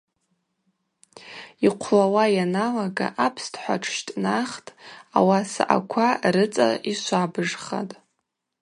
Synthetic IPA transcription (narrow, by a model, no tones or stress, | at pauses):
iqʷʰlawajanalaɡa̰ʔapʰstʰʼħʷa̰ʈ͡ʂʰʃtʼnaχtʼa̰wasa̰ʔa̰kʷʰarɨt͡sʼa̰iʃʷabɨʐχa̰tʼ